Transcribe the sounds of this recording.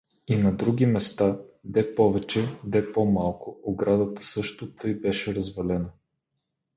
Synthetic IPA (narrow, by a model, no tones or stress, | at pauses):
inɐd̪ɾuɡʲimɛst̪ad̪ɛpɔvɛt͡ʃɛd̪ɛpomalˠkʊoɡɾad̪ət̪ə̥sɤʃt̪ʊt̪ɤjbɛʃɛɾɐzvɐlɛnə